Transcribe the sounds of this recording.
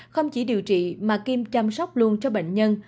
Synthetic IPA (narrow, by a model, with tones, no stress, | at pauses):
xə˧wŋ͡mt͡ɕi˧˩˦ɗi˨˩əwt͡ɕḭ˧˨maː˨˩ki˧mt͡ɕa˧msa˦˥wk͡p̚lu˧ənt͡ɕɔ˧ɓḛ˧˨ŋ̟ɲə˧n